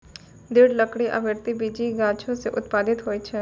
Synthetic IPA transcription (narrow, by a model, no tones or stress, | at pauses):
d̪ɪɽləkɽiʔə̰ʋɪɾt̪ibiːd͡ʒiɡaːt͡ʃʰõseʔʊt̪paːd̪ɪt̪ɦoːiːt͡ʃʰɛ